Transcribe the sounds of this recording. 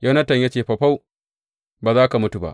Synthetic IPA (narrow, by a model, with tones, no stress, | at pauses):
jɐ˦nɐ˦tɐ˨ɲja˦t͡ʃeː˨ɸɐ˨ɸa˦w | baː˨zaː˦ka˨mʊ˦tu˨ba̰˦ʔ